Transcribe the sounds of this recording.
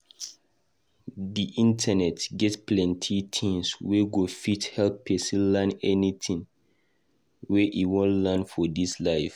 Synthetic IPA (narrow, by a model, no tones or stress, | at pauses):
diʔĩntʰənɛtɡɛtplɛ̃ntʰitʰĩŋsweɡofithɛlpːesilɛnɛnit̪ʰĩŋ | weʔiwɔ̃nlanfɔdislaɪf